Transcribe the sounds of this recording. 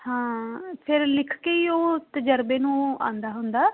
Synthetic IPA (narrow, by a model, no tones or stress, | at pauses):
hãːpʰɪɾlɪkʰkeːiːoːt̪əd͡ʒəɾbeːnũːã̰ːnd̪aːɦʊnd̪aː